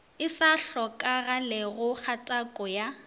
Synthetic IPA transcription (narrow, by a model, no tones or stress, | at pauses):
ɪsaɬɔkʼaɣalɪɣʊk͡xʰatʼakʼɔja